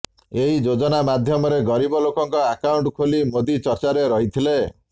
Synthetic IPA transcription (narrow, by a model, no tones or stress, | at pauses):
eɦid͡ʒod͡ʒɔnamad̪ʱjɔmɔɾeɡɔɾibɔlokɔŋkɔakawɳʈkʰolimod̪it͡ʃɔɾt͡ʃaɾeɾɔɦit̪ʰile